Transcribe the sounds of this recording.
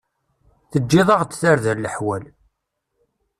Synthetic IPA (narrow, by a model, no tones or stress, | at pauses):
θəd͡ʒːɪðˤɑʁd̪θaɾðəɾləħwæl